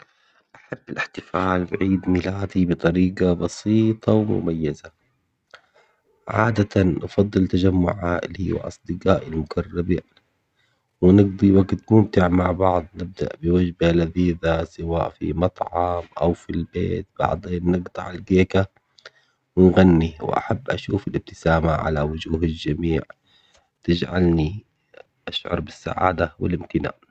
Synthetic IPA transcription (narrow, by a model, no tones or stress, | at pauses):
ʔaħabːalʔɪħt̪ɪfaːlbʕiːd̪mɪlaːd̪ibɨt̪ˤɑɾiːɡɑbɑsiːt̪ˤɑwmʊ̰majːaza | ʕaːd̪at̪anʔɑfɑd̪ˤːɨlt̪ad͡ʒamːʊ̰ʕʕaːʔliwɪ̰lʔɑ̰sˤd̪ɨqaːʔɪlmʊɡarˤːaba | wɪnɪɡd̪ˤiwaɡt̪mʊmt̪ɪʕmaʕbɑʕd̪ˤnɪb̚d̪a̰ʔbɪwad͡ʒbalaðiːðasɪwaːʔfḭmɑt̪ˤʕɑmʔa̰wfilbeːt̪̚bɑ̰ʕd̪ˤeːnːɪɡt̪ˤɑ̰ʕalɡeːka | wɪnɣanːiwɪ̰ʔa̰ħabːʔa̰ʃuːfalɪb̚t̪ɪ̥saːmaʕa̰lawʊd͡ʒuːɦald͡ʒamiːʕ | t̪ɪd͡ʒʕa̰lni | ʔaʃʕʊ̰ɾˤbɪsːa̰ʕa̰ːd̪awɪ̰lɪmt̪ɪna̰ːʔ